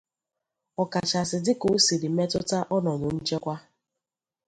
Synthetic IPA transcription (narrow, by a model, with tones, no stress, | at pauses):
ɔ˨ka˨t͡ʃa˨sɪ˨dɪ˦ko˨˦si˨ɾi˨me˦tʊ˦ta˦ʔɔ˦nɔ˨ɲʊ˨n̩˦t͡ʃe˦kʷa˦